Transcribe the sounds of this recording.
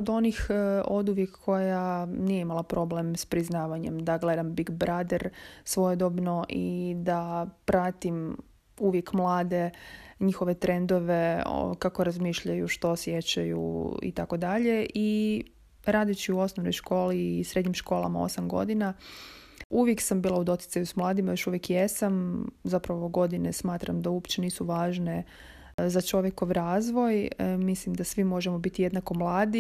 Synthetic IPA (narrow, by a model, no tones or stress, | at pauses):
od̪o̞nixo̞d̪uʋjekːo̞janijeimalˠapɾo̞blemspɾiznaːʋaɲe̞̰md̪aɡle̞d̪ambiɡbɾad̪eɾsʋo̞jed̪obnoʔid̪apɾat̪im | uʋjekmlˠaːd̪e̞ɲixo̞ʋe̞t̪ɾe̞nd̪oʋe̞o̰kako̞ɾazmiːʃʎajuʃt̪osje̞t͡ɕajṵḭt̪ako̞d̪aʎe̞ʔi | ɾaːd̪it͡ɕiuo̞snoʋno̞jʃko̞ːliːsɾe̞d̪ɲimʃko̞ːlˠa̰mao̞̰samɡo̞̰d̪ina | uʋjeksambiːlˠaud̪o̞t̪i̥t̪sajusmlˠaːd̪imajo̞ʃuʋjekjesamzapɾaʋooɡo̞d̪inesmaːt̪ɾamd̪auopt͡ɕeniːsuʋaːʒne | zat͡ʃo̞ʋjeko̞ʋɾaːzʋo̞jmislimd̪asʋimo̞ʒemo̞bit̪ije̞d̪nako̞mlˠaːd̪i